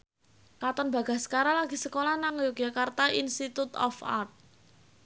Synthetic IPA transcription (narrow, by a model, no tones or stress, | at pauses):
kat̪ɔnba̤ɡ̥a̤sə̥kaɾalaɡ̥isəkolanaŋjoɡjakart̪ainst̪it̪ut̪ɔ̰fa̰rt̪̚